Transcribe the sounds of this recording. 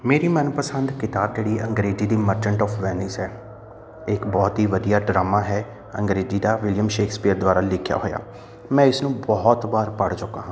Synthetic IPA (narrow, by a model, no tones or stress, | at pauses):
meːɾiːmənpəsənd̪kɪt̪aːb̚d͡ʒeːɽiːʔəŋɡɾeːziːd̪iːməɾd͡ʒəɳʈɔːfʰʋɛːnɪsɛː | ɪkbɔːt̪ɦiːʋəd̪ijaːɖɾaːmaːɦɛː | ə̰ŋɡɾeːziːd̪aːʋɪljəmʃeːkʰspiːəɾd̪waːɾaːlɪkʰja̰ːɦoːja̰ː | mɛ̃ːɪsnũːbɔːt̪ʋaːɾpəɽt͡ʃʊkːaːɦãː